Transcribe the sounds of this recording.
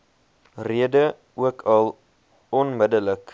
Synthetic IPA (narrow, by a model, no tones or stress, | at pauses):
riədə | uəkʰɐlˠ | ɔnmədələk